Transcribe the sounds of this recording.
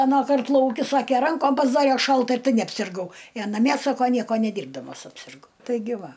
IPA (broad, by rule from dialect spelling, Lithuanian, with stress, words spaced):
ɐˈnɑːˌkɐrt lˠɐʊˈkʲɪ ˈsɑːkʲɛ ˈrɐŋkoːm pɐzˈdɑːrʲɛ ˈʃɐlˠt ɪr ˈtɐɪ nʲɛɐpʲsʲɪrˈɡɐʊ ɪ ɐ nɐˈmʲiɛ ˈsɑːkoː ˈnʲiɛkoː nʲɛˈdʲiːrbdɐmɐs ɐpʲsʲɪrˈɡɐʊ tɐɪˈɡʲɪ ˈʋɐ